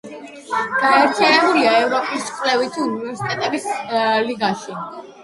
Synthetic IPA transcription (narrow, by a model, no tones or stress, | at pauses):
ɡ̥aɛɾt̪ʰianɛbuliaɛvɾɔpʼist͡ʃqʼlɛvit̪ʰiunivɛɾsi̥t̪ʼɛt̪ʼɛbisliɡaʃi